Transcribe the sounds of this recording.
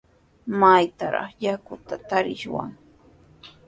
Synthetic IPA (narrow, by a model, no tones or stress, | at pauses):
majt̪aɾɑ̰χjakʊt̪at̪aɾɪʃwa̰ŋ